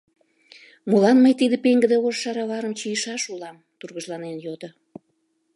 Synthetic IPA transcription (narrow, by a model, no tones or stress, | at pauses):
mulɑnməjt̪id̪əpeŋɡəd̪eorʃɑɾɑβɑɾəmt͡ɕijəʃɑʃulɑm | t̪urɣəʒlɑnenjod̪o